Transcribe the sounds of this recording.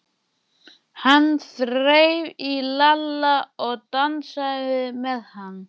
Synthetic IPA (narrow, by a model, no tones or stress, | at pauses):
hanːθɾeːjvilalːaɔɣt̪ansavɪðmɛðhanː